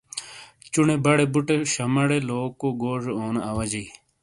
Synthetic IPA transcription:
t͡ɕunebɐɽebuʈeɕɐmɐɽeloːkoɡoːʐoːnɐʋɐd͡ʑii

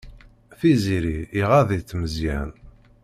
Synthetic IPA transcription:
θiziɾiiʁaðit͡sːməzjæ̰n

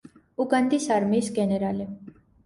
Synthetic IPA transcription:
ukənd̪isaɾmiːsɡeneɾale

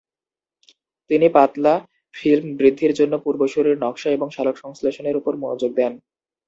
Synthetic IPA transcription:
t̪inipat̪la | filmbɾid̪ʱːiɾd͡ʑonːopuɾboʃuɾiɾnɔkʃaeboŋʃalokʃɔŋsleʃoneɾupoɾmunod͡ʑoɡ̚d̪ɛn

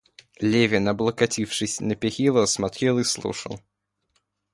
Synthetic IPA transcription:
lʲevʲɪnɐblˠəkɐtʲifʂɨsʲnəpʲɪxʲilˠəsmɐt̪ɾʲelˠɨslˠṵʂə̰lˠ

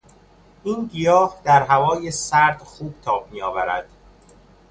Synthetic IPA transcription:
ʔiːnɡijɒːhd̪æɾɦævɒːjesæɾd̪̥xuːb̥̚t̪ʰɒːb̚mijɒːvæɾæ̰d̪̥

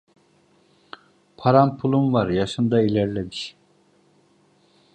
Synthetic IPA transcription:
pʰaɾampʰulˠumvaɾjaʃɯnd̪ailʲæɾlʲɛb̪iʃ

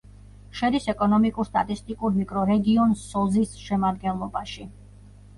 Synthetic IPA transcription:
ʃɛd̪isɛkʼɔnɔmikʼuɾst̪ʼa̰t̪ʼist̪ʼikʼuɾmikʼɾɔɾɛɡiɔnsɔzisʃɛmad̪̚ɡɛnlˠɔbaʃi

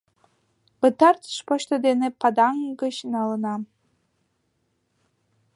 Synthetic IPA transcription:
pət̪ɑrt̪ʃpoɕt̪əd̪enepɑd̪ɑŋɡə̆t͡ɕnɑlənɑ

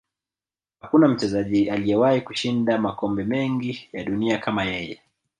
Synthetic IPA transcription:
hakunam̩t͡ʃɛzaʄialijɛwahikuʃindamakɔmbɛmɛŋɡijaɗuniakamajɛjɛ

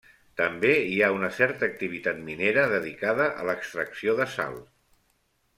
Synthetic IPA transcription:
t̪əmbeiaunəsɛɾt̪əːk̚t̪iβ̞it̪at̪̚mineɾəðəðikaðəʔə̰ləkst̪ɾəksioðəsa̰lˠ

